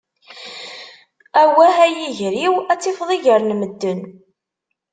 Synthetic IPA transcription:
æwææjiʝɾiwæt͡sːifðˤiʝəɾnməd̪ːən

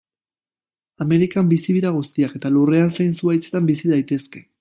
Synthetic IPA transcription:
ame̞ɾikambisiβiɾaɣ̞ust̪iake̞t̪alure̞ansajnsuajt͡se̞t̪ambisiðajt̪e̞ske̞

